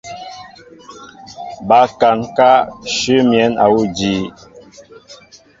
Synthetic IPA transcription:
ba˨˦ka˨ŋka˦ʃʉ˦mjɛ˨˦na̰˨wu˦˨d͡ʒiː˦

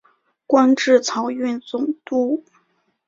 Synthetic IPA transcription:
kwa˥nʈ͡ʂɻ̩˥˩t͡sʰɑ˧˥ʊy˥˩nt͡sʊ˨˩ŋt̪u˥˩

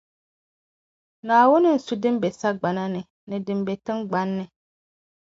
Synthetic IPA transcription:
nãː˨wʊ˦nɪ̃˦n̩˨su˨dɪ̃˦mbe˨sa˦ɡ͡ba˨nã˦nɪ̃˨ | nɪ̃˨dɪ̃˨mbe˨tɪ̃˦ŋɡ͡bã˦nːɪ̃˨

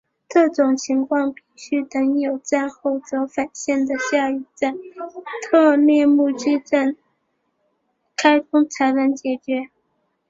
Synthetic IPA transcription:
kɤ˥˩ʈ͡ʂʊ˨˩ŋt͡ɕʰi˧˥ŋkʰwɑ˥˧ŋpi˥˩ɕy˥t̪ə˧˥ŋjo˨˩ʊt͡sa˥˧nxo˥˩ʊt͡sɤ˧˥fa˨˩nɕjɛ˥˩nd̪ə˩ɕja˥˧y˥˩ʈ͡ʂa˥˩nt̪ʰɤ˥˧ljɛ˥˧mu˥˧t͡ɕi˥˧ʈ͡ʂa˥˩n | kʰa˥ɪt̪ʰʊ˥ŋt͡sʰa˧˥ɪla˧˥nt͡ɕjɛ˨˩t͡ɕɥɛ˧˥

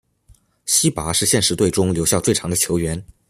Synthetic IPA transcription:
ɕi˥pa˧˥ʂɻ̩˥˧ɕjɛ˥˩nʂɻ̩˧˥t̪we˥˩ɪʈ͡ʂʊ˥ŋljo˧˥ʊɕjɑ˥˧ʊt͡swe˥˩ɪɑ˧˥ŋd̪ə˧t͡ɕʰjo˧˥ʊɥɛ˧˥n

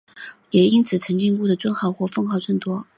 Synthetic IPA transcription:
jɛ˨˩i˥nt͡sʰɹ̩˨˩t͡sʰɤ˧˥ŋt͡ɕi˥˧ŋku˥˩d̪ə˩t͡swə˥nxɑ˥˩ʊxwɔ˥˩fɤ˥˧ŋxɑ˥˧ʊt͡sə˥˩nt̪wɔ˥

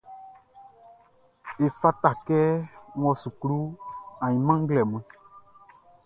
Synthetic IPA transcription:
e˨fa˦ta˨kɛ˦ŋ˦ɔ̃˨su˨kɾu˦ã˨ɲĩ˨mã˦ŋ̩˦ɡlɛ˨m˨ɛ̃˨

